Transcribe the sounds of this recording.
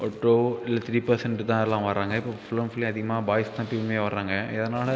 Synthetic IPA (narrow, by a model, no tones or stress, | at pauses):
ɔːʈːoːɪlːɐt̪ɾiːpɐɾsɛɳʈt̪ãːɛlːãːʋɐɾːãːŋɡɐɪpːoːfɪlɐmfʊleɐðɪɣɐmaːbaːjst̪ãːpimeːʋɐɾɾaːŋɡɐɛðɐnaːlɐ